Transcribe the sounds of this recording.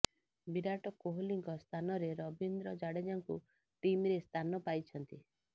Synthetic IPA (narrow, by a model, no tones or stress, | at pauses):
biɾaʈɔkoɦoliŋkɔst̪ʰanɔɾeɾɔbind̪ɾɔd͡ʒaɽed͡ʒaŋku | ʈimɾest̪ʰanɔpajt͡ʃʰɔnt̪i